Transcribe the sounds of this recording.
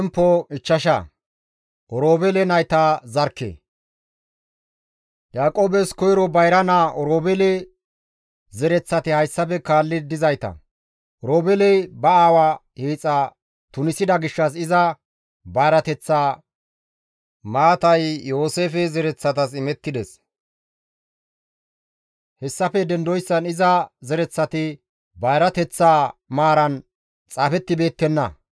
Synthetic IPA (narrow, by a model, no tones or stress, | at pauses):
mpːɔɪt͡ʃːɐʃɐ | ʔɔɾoːbɛlɛnɐjt̪aːzɐɾkːḛː | jaːkʼoːbɛskɔjɾɔbɐjɾɐnaʔɔɾoːbɛlɛ | zɛɾɛt͡sːɐt̪ɪhɐjsːɐpɛkaːlːɪd̪ɪzɐjt̪ɐ̰ | ʔɔɾoːbɛlɛjbɐaːwa | heːt͡sʼːa | t̪ʊnɪsɪd̪ɐɡɪʃːɐs̬ɪzɐ | bɐjɾɐt̪ɛt͡sːaː | maːt̪ɐjjːo̞ːse̞ːfɛzɛɾɛt͡sːɐt̪̬ɐsɪmɛt̪ːɪd̪ɛs | hɛsːɐfɛd̪ɛnd̪ɔjsːɐnɪzɐzɛɾɛt͡sːɐt̪ɪ | bɐjɾɐt̪ɛt͡sːaːmaːɾɐn | t͡sʼaːfɛt̪ːɪbe̞ːt̪ːɛnːɐ̰